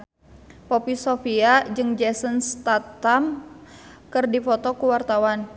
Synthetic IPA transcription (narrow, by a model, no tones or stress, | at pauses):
pɔpisofiad͡ʒɨŋd͡ʒɛsənst̪at̪am | kɨrdifɔt̪ɔkuwart̪awan